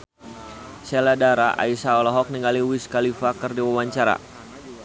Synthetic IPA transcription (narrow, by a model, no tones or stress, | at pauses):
sɛladaɾaʔa̰isaɔlɔɦɔk̚niŋɡaliwiskalifakɨrdiwawaɲt͡ʃaɾa̰